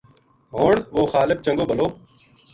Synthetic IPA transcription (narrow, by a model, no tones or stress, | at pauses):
ɦoːɳʋoːxaːlək̚t͡ʃə̃ŋɡoːbəloː